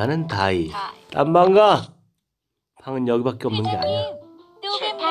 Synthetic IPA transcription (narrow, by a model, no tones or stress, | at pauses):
anɯntait͈a̰mbaŋɡa | pʰaŋɯnjʌɡibak͈eʌmnɯnɡeaɲia